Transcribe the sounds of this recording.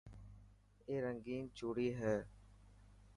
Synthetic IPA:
eːɾəŋɡiːnt͡ʃoːɽiːɦɛː

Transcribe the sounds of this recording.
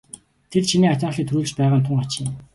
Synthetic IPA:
t̪ʰert͡ɕʰiniːat͡ɕaːχɮiːt̪ʰɵɾuːɮt͡ɕpæːʁaːnt̪ʰʊŋat͡ɕiːŋ

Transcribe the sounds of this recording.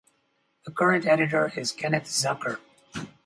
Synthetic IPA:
ðəkʰɜ˞ɨ̃ntɛɾɨɾə˞ɪz̥kʰɛnɨtz̥ʌkə˞

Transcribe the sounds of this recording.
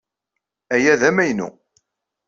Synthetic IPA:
æjæðæmæjnṵ

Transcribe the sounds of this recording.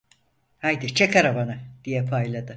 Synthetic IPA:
hajd̪it͡ʃʰekʰaɾabanad̪̥ijɛpʰajlˠad̪ɯ

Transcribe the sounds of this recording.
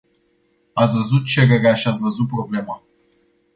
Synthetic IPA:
at̪svəzut̪̚t͡ʃeɾeɾeaʃiat̪svəzut̪̚pɾo̞ble̞ma

